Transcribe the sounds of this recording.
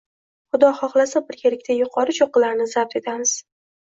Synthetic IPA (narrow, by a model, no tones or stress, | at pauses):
χʊd̪ɒχɒχlˠasabɪɾkʲʰelɪkʲt̪ʰajʊqʰɒɾɪt͡ʃoqɨlaɾnɪzap̚t̪e̞t̪ʰamɪz̥